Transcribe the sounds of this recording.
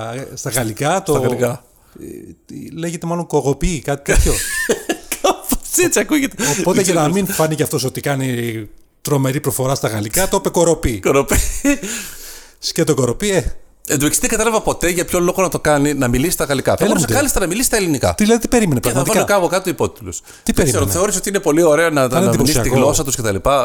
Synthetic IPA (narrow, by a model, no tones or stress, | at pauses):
st̪ɐɣɐlikɐtsoɐikɐ | le̞ʝet̪emɐlo̞ŋkoɣo̞pikɐt̪i̥k̪ɐp̪ço | kɐposet͡siɐkuʝet̪eopo̞t̪eʝɐnɐminfɐniceɐft̪o̞so̞t̪ikɐni | t̪ɾo̞me̞ɾipɾofo̞ɾɐst̪ɐɣɐlikɐt̪opeko̞ɾo̞pikoɾopi | scet̪oko̞ɾo̞pie | ed̪ueksi̥t̪ðeɡɐt̪ɐlɐvɐpo̞t̪e̞ʝɐpço̞lo̞ɣonɐt̪o̞kɐninɐmilisist̪ɐɣɐlikɐθɐsɣɐlist̪ɐnɐmilisi̥st̪ɐelinikɐ̰iðilɐðit̪i̥pe̞ɾime̞nepɾɐɣmɐt̪fɐkɐokɐpokɐt̪it̪uipot̪it̪lus | t̪ieɾiseɾoθeo̞ɾiso̞t̪iinepo̞lio̞ɾe̞onɐnnɐmiisɐt̪iɣlo̞s̬ɐt̪uscet̪ɐlipɐ